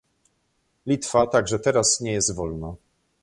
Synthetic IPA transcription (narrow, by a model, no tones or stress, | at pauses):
lʲit̪fat̪aɡʐɛt̪ɛɾasɲɛjɛst̪vɔlna